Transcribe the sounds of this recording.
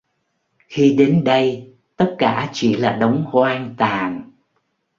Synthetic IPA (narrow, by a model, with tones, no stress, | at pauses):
xi˧ɗe˨˦nɗə˧j | t̪ə˦˥t̚kaː˧˩t͡ɕi˧˩laː˨˩ɗə˨˦wŋ͡mhwaː˧ŋt̪aː˨˩n